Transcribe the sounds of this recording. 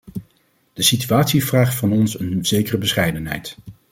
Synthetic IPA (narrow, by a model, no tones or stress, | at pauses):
d̥əsityaːtsiv̥raːχtfɑnɔnsənz̥ejkərəbəsχɛjdənɦɛ̰jt